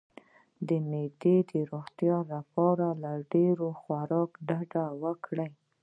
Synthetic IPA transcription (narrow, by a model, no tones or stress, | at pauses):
d̪əned̪ed̪əɾoɣt̪jɑlapɑɾalaɖeɾoxwaɾɑkɖaɖawəkɽaj